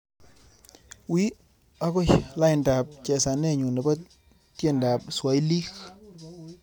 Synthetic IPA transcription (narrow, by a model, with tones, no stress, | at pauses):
wi˦ | a˦kɔ˦ʃla˦jɪ˨nda˨p̚t͡ʃɛ˨sa˨nɛ˦ɲu˨nɛ˨ba˦ | tje˦nda˨p̚swa˨jli˦k